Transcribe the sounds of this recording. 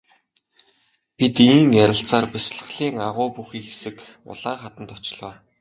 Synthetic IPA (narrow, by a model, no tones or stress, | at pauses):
pit̪iːŋjæɾʲɪ̆ɬt͡saːrpæsɮə̆ɮiːŋaʁʊːpuxiːŋxesɘ̆kʊ̰ɮaːχat̪ə̆nt̪ɔt͡ɕɪ̆ɮɔː